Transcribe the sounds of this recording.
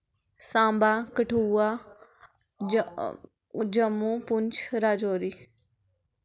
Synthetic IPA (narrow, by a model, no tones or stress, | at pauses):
sãːmbaːkəʈʰuːaː | d͡ʒəmːũːpʊɲt͡ʃʰɾaːd͡ʒoːɾiː